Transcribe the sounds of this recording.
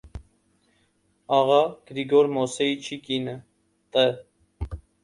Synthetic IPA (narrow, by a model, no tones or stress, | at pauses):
ɑʁɑɡ̥ɾiɡɔɾmɔsɛit͡ʃʰikinə | t̪ʼə